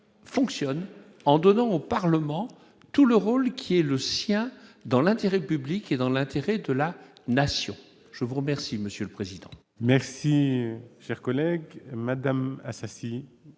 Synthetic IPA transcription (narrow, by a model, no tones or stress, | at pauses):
fɔ̃ksjɔn | ɑ̃d̪ɔnɑ̃opaʁləmɑ̃ | t̪uləʁolkʲʰiɛləsjɛ̃d̪ɑ̃lɛ̃t̪eʁɛpybliked̪ɑ̃lɛ̃t̪ʰeʁɛd̪əlanasjɔ̰̃ | ʒ̥əvuʁəmɛʁsiməsjøləpχezid̪ɑ̃ | mɛʁsiʃɛʁkɔlɛɡmad̪ama̰sasi